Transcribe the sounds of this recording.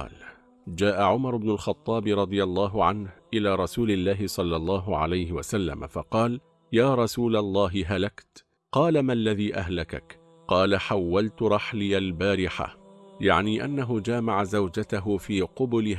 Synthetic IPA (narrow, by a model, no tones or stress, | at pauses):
l | d͡ʒaːʔaʕʊmɑɾˤʊbnʊlxɑt̪ˤːɑːbɾˤɑd̪ˤɨjɑlˤːɑːɦʊʕanhʔɪlaːɾˤɑsuːlɪlːaːɦɪsˤɑlːɑlˤːɑːɦʊʕa̰lajhɪwa̰salːa̰ma̰fɑqɑːl | jaːɾˤɑsuːlalˤːɑːɦɪɦalakt̪ | qɑːlamalːaðiːʔaɦlaka̰k | qɑːlaħawːalt̪ʊɾˤɑħlɪjalbaːɾɪħa̰ja̰ʕniːʔanːaɦʊd͡ʒaːmaʕazawd͡ʒat̪aɦʊfiːqʊbʊlɪh